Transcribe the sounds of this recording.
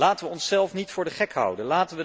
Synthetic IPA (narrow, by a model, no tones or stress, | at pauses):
laːtənʋəɔnsɛlˠfnitfʊːɹdəχɛkɦʌ̰wdənlaːtənʋə